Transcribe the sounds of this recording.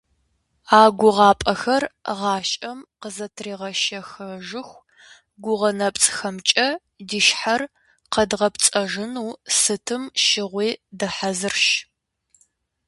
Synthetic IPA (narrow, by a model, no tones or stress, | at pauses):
aːɡʷʊʁɑːpʼɐxɐrʁɑːʃʼɐmqəzɐtʰriːʁɐʃɐxɐʒɨxʷ | ɡʷʊʁɐnɐpʼt͡sʼxɐmt͡ʃʼɐ | diʃħar | qɐdʁɐpt͡sʼɐʒɨnuːsɨtʰɨmʃɪʁʷiːdɐħazɨrʃ